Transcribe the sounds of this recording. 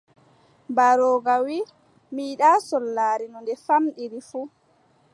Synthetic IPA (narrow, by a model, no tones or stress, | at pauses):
baɾɔːɡawi | miːɗasɔlːaːɾinɔndɛfamɗiɾifu